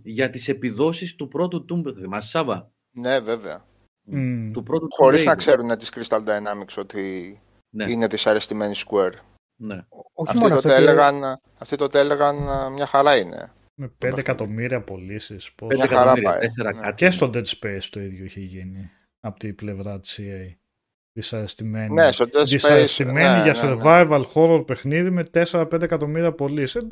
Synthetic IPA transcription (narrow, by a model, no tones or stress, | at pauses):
ʝɐt̪ise̞piðo̞sist̪upɾo̞t̪ut̪umbɐθimɐsi̥sɐvɐ | neve̞veɐ̰ | t̪upɾo̞t̪uxo̞ɾiznɐkse̞ɾunet̪i̥skɾist̪ɐld̪ɐenɐmikso̞t̪i | neine̞ðisɐɾest̪ime̞niskueɾ | ne̞oçɐ̰oioeleɣɐn | ɐft̪it̪ot̪eleɣɐnmɲɐxɐɾɐine̞̰ | mepend̪ekɐt̪o̞miɾiɐpo̞lisispondmeɐɾɐ̰eseɾɐtest̪od̪et̪spejst̪o̞iðʝoiçeʝini | ɐpot̪iple̞vɾɐt̪i̥siej | ðisɐɾest̪ime̞nnest̪od̪esðisɐɾest̪ime̞niʝɐseɾvɐjvɐlxo̞ɾoɾpe̞xniðime̞t̪e̞seɾɐpe̞nd̪ekɐt̪o̞miɾiɐpo̞lise